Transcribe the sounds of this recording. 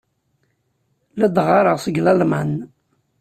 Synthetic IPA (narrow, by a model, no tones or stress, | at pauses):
læd̪ʁɑɾˤəʁsəɡlælman